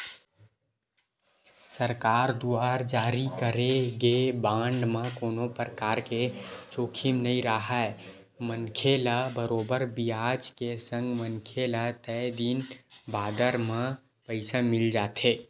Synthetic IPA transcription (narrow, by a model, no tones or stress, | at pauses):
səɾkaɾd̪uaɾd͡ʒaɾikəɾeɡebaɳɖmekonopɾəkaɾket͡ʃokʰimnəiɾəɦəe | mənkʰelabəɾobəɾbiad͡ʒkesə̃ŋɡmənkʰelat̪əjd̪inbad̪əɾme | pəɪsamild͡ʒat̪ʰe